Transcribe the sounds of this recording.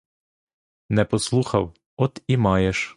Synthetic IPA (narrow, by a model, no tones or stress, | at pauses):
nɛpɔslˠuxɐw | ɔt̪imɑjeʃ